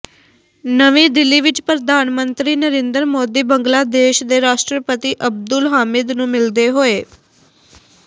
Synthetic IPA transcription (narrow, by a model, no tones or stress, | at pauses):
nəʋĩːd̪ɪlːiːʋɪt͡ʃpɾəd̪ʱaːnmənt̪ɾiːnəɾẽːnd̪əɾmoːd̪iːbəŋɡlaːd̪eːʃd̪eːɾaːʃʈɾəpət̪iːʔəb̚d̪ʊlɦaːmɪd̪nũːmɪld̪eːɦoːeː